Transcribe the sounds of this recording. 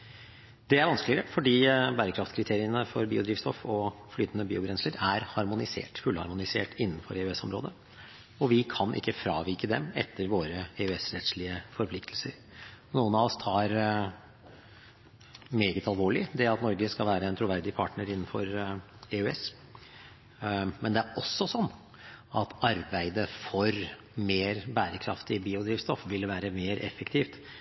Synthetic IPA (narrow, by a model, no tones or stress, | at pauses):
d̪̥ɛæɾʋɑnsklɪəɾəfɔɖiːbæːɾəkʰɾɑft̪kʰɾɪt̪ʰeːɾɪənəfɔɾbiːʊd̪ɾiːʋst̪ɔfɔflyːt̪ənəbiːʊbɾɛnsləɾæɾhɑɾmʊnɪsḛːʈfʉlhɑ̰ɾmʊnɪsḛːʈɪnːənfɔ̰ɾɛʉɛsːɔmɾo̰ːd̪ə | ɔʋɪkʰɑnʔɪ̰kːəfɾɑːʋikəd̪ɛmɛ̰t̪ːəɾʋoːɾəɛʉɛsɾɛt̪slɪəfɔɾpʰlɪkt̪ʰlsəɾ | nuːənɑʋɔst̪ʰɑːɾ | meːɡət̪ɑlˠʋoːɭɪd̪ɛɑt̪nɔɾɡəskɑlʋæːɾəɛnt̪ʰɾʊʋæɾd̪ɪpʰɑʈnəɾɪnːənfɔɾeʉɛs | mɛnd̪ɛæɾɔsːɔsɔnː | ɑt̪ɑɾbæɪd̪əfɔɾ | meːɾbæːɾəkʰɾɑ̰ft̪ɪbiːʊd̪ɾiːʋst̪ɔfʋɪlːʋæːɾəmeːɾɛfəkt̪ʰiːft̪